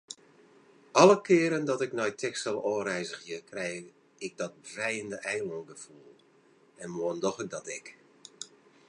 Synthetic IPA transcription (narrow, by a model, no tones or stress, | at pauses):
ʔɔlˠəkʰɪːəɾəndɔtɪknɔjtʰɛkstəlˠoːrɛjzəxjəkrɛj | ɪɡ̚dɔt̚brɛjəndəʔɛjlɔŋɡəfulˠlˠ | ɛnmoəndɔxədɔtɪk